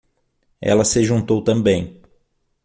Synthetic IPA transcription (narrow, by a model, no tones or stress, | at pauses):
ɛ̰lɐsɪʒũt̪owt̪ɐ̃mbẽj̃